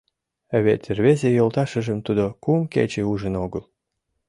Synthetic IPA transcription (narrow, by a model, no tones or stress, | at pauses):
əβʲḛt̪ʲrβezʲejolˠt̪ɑʃə̆ʒə̆mt̪ud̪okumkḛt͡ɕeuʒə̆noɡəlˠ